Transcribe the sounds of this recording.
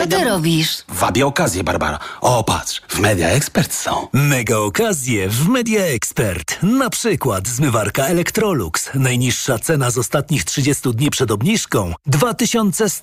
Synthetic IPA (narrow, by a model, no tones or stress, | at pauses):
ɛt̪ɔɾɔbʲiʂvabʲjɛɔkazʲjɛba̰ɾba̰ɾa̰ɔpa̰tʂvmɛd̪ʲja̰ɛkspɛɾt̪sɔ̰̃w̃mɛɡaɔkazʲjɛvmɛd̪ʲjaɛkspɛɾt̪napʂɘkwat̪zmɘvaɾkaɛlɛkt̪ɾɔlṵksnajɲiʂːat̪sɛnazɔst̪at̪ɲixtʂɘd͡ʑest̪ud̪ɲipʂɛd̪ɔbɲiʂkɔ̃w̃d̪vat̪ɘɕɔnt̪sɛs